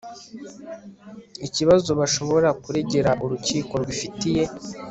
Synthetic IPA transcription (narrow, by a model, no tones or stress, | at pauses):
iciβazo̞βaʃo̞βo̞ɾakuɾe̞ɟe̞ɾaʔuɾuciːko̞ɾwifitije̞